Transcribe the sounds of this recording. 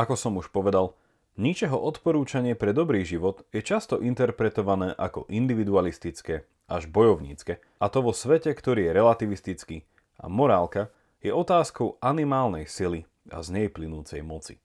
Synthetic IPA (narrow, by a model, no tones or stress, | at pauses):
akɔsɔmuʃpɔʋɛd̪al | ɲit͡ʃɛɦɔʔɔt̪pɔɾuːt͡ʃaɲɪɛpɾɛd̪ɔbɾiːʒiʋɔd̪jɛt͡ʃast̪ɔʔint̪ɛɾpɾɛt̪ɔʋanɛːʔakɔ̰ʔind̪iʋid̪ualist̪it͡skɛ | ʔaʒbɔjɔʊɲḭːt͡skɛ | at̪ɔʋɔsʋɛcɛkt̪ɔɾiːjɛɾɛlat̪iʋist̪it͡skiː | a̰mɔɾaːlka | jɛʔɔt̪aːskɔʊanimaːlnɛjsili | a̰zɲɛiplinuːt͡sɛjmɔt͡si̥̰